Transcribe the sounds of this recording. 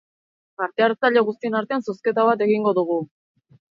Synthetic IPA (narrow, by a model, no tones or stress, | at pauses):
paɾt̪e̞aɾt͡saʎeɣust̪ie̞naɾt̪e̞ansoske̞t̪aβat̪e̞ɣiŋɡo̞ðuɣ̞u